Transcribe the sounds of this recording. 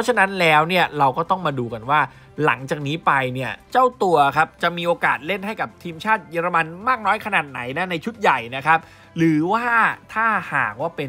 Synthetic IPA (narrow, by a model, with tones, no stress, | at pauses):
pʰɔ˦˥t͡ɕʰa˧na˦˥nlɛː˦˥wni˥˩ɐɾa˧wkɔː˥˩t̪ɔ˥˩ŋmaː˧duː˧ka˧nwaː˥˩ | la̰˩˦ŋt͡ɕaː˨˩k̚niː˦˥pa˧jni˥˩ɐt͡ɕa˥˩wt̪u˧ɐkʰa˦˥p̚t͡ɕa˨˩ʔmiː˧ʔoː˧kaː˨˩t̪̚le˥˩nɦa˥˩jka˨˩p̚t̪ʰiː˧mt͡ɕʰaː˥˩t̪̚jaː˧ɾa˧ma˧nmaː˥˩k̚nɔː˦˥jkʰa˧naː˨˩t̪̚na̰˩˦jna˦˥na˧jt͡ɕʰu˦˥t̪̚ja˨˩jna˦˥kʰa˦˥p̚ | ɾɯː˩˦waː˥˩t̪ʰaː˥˩ha̰ː˨˩k̚waː˥˩pe˧n